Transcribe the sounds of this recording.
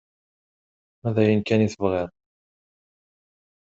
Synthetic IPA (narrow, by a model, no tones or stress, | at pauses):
mæðæjənkæniθəvʁɪðˤ